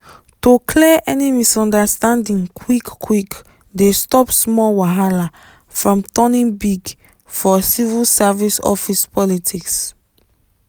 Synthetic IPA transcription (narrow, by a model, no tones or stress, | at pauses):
tokʰlɛʔɛnimisɔ̃ndastãndĩŋkʰwikːwik | destɔpsmɔlwaɦala | fɹɔ̃mtɔ̃nĩnbiɡ | fɔsivilsavisɔ̰fispɔlitʰiks